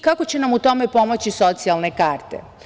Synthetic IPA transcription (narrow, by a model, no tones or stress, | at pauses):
kako̞t͡ɕe̞namut̪o̞me̞po̞mo̞t͡ɕiso̞t̪sialnekaːɾt̪ḛ